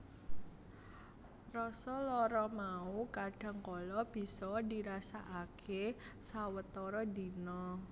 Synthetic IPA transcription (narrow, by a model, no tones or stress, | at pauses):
rɔsɔlɔɾɔmaukaɖ̥ä̤ŋkɔlɔb̥i̤sɔdi̤ɾasaʔakʰesawət̪ɔɾɔdi̤nɔ